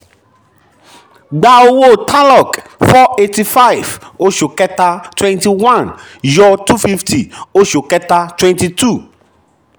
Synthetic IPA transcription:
ɡ͡ba˦o˧wo˦˨tʰa˦lɔ˨k | fɔ˦e˦ti˦fa˦jvo˦ʃo˨kɛ˦ta˧twɛ̃˦nti˧wã˦˨n | jɔ˦tu˦fi˦fti˨o˦ʃo˨kɛ˦ta˧twɛ̃˦nti˧tu˦˨

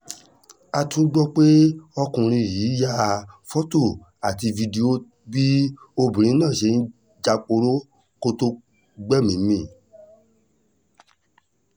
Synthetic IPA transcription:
a˧tʰũ˦ɡ͡bɔ˦k͡pe˦ɔ˧kũ˧ɾ̃ĩ˧˨jiː˨˦ja˦˧fɔ˦to˦˨ | a˨ti˧vi˧de˧o˦ | bi˦ | o˧bĩ˨ɾ̃ĩ˨˦nãː˦˨ʃe˧˦n̩˦ | d͡ʒa˧k͡po˧ɾo˦ | ko˧to˧ | ɡ͡bɛ˦˨mĩ˨mĩ˦˨

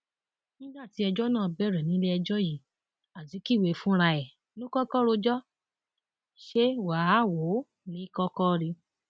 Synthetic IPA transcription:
nĩ˦da˦˨ti˨˦ɛ˧d͡ʒɔ˦nãː˦˨bɛ˦˨ɾɛ˨nĩ˨˦le˦ɛ˧d͡ʒɔ˦ji˨˦ | a˨ti˨˦ki˦˨we˨˧˨fũ˦ɾa˧ɛ˨ | nũ˦kɔ˦kɔ˦ɾo˧d͡ʒɔ˦ | ʃe˦wa˨˦wo˨˦ | nĩ˨˦i˦kɔ˦kɔ˦˧ɾi˧

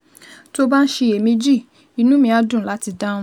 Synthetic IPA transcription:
to˦ba˦n̩˦ʃe˧e˨mĩ˧d͡ʒi˦˨ | i˨˧nũ˨˦mĩ˧a˧dũ˦˨la˨˦ti˧da˦ũ˦

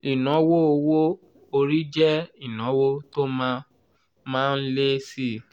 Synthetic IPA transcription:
i˨nɔ̃˨˦wo˦o˧wo˦ | o˧ɾi˦d͡ʒɛ˦i˦˨nɔ̃˨˦wo˦to˦mã˦ | mãː˦˧n̩˦le˦si˦˨

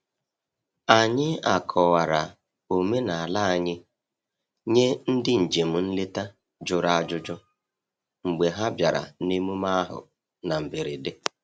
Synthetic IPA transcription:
a˨ɲɪ˦a˨kʰɔ˨wa˨ɾa˨ | o˨me˦na˨a˨la˦a˨ɲɪ˦ | ɲe˦n̩˦dɪ˦n̩˨d͡ʒe˨m̩˨n̩˦lɪ˦ta˦ | d͡ʒʊ˨ɾa˦a˨d͡ʒʊ˦d͡ʒɔ˦ | ŋ͡m̩˨ɡ͡be˨ɦa˦bja˨ɾa̰˨ni˦mu˦ma˦a˦ɦʊ̰˨ | na˨m̩˨bɪ˨ɾɪ˨dɪ˦

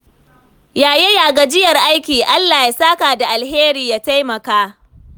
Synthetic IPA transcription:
jaː˨je˦jaː˨ɡa˨d͡ʒɪ˦jɐ˨rʔa˦jkʲiː˨ʔa˦lːaː˨ja˨saː˦kaː˨da˨ʔa˨lɦeː˦ɾiː˨jaː˦ta˦jmɐ˨kaː˦

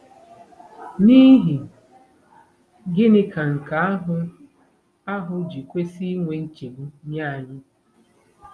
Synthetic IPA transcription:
ni˦ɦi˨ | ɡɪ˦nɪ˦ka˨ŋ̩˨ka˨a˦ɦʊ˦ | a˦ɦʊ˨d͡ʒi˨kʷe˦si˦ŋʷe˨ŋ̩˦t͡ʃe˨bu˦ɲa˦˨ɲɪ˦

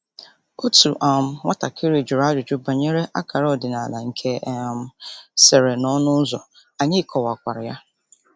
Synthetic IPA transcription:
o˦tu˨ʔa˨m̩˨ŋʷa˦ta˨kʰɪ˦ɾɪ˨d͡ʒʊ˨ɾa˦d͡ʒʊ˨d͡ʒʊ˦ba˨ɲe˦ɾe˦ʔa̰˦kʰa˨ɾɔ˦˨dɪ˨na˨la˨ŋ̩˨kʰe˦ʔm̩˦se˨ɾe˨nɔ˦nʊ˦zɔ̰˨ | a˨ɲɪ˦kʰɔ˨wa˨kʷa˨ɾɪ˨ja˦

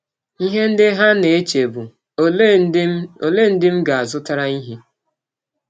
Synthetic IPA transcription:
i˦ɦe˦n̩˦dɪ˦ɦa˦ne˨e˦t͡ʃe˨bu˨˦ | o˨le˦˨n̩˦dɪ˦m̩˦ɡa˨a˨zʊ˦ta˦ɾa˦i˦ɦi˦

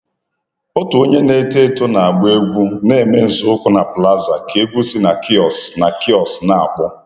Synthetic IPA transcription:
ʊ˦tʊ˨o˦ɲe˦ne˦te˦˨tʊ˦na˨a˨ɡ͡be˦ɡʷu˦ne˨me˦n̩˨zʊ˦ʊ˦kʷʊ˦na˨pla˦za˨ke˦ɡʷu˦si˦na˨kʰi˦ɔ˨sna˨ki˦ɔ˨sna˨a̰˨k͡pʊ˦

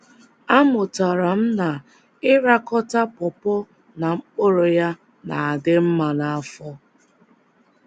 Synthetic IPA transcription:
a˦mʊ˨ta˨ɾa˨m̩˦na˨ | ɪ˦ɾa˦kɔ˦ta˦pɔ˨pɔ˦ | na˨ŋ͡m̩˦k͡po˦ɾo˨ja˦ | na̰˨a˨dɪ˦m̩˦ma˨na˨a˦fɔ˦

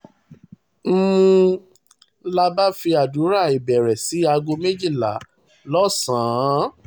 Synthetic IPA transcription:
m̩˦ũ˧ | la˧ba˦fi˧a˨du˨˦ɾa˦˨i˨bɛ˨ɾɛ˨si˨˦a˧ɡo˧me˦d͡ʒi˦˨la˨˦ | lɔ˦sãː˨˦

